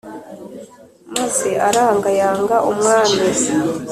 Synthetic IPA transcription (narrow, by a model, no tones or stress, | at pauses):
mazeʔaɾaːŋɡajaːŋɡaʔumŋaːnez